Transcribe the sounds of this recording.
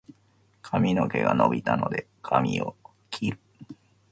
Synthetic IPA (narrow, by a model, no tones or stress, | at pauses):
kʰamʲino̞keɡanobʲit̪ano̞d̪e̞ | kʰamʲio | kʲʰiɾɯ̟